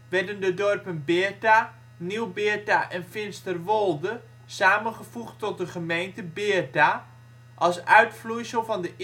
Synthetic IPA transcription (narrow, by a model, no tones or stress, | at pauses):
ʋɛrdəndədɔrpənbɪːrta | niwbɪəta̰ʔɛnfɪnstərʋolˠdə | saːmənχəvuχtɔt̚dəχəmejntəbɪərta | ʔɑlˠsœɥtflujsəlˠfɑndə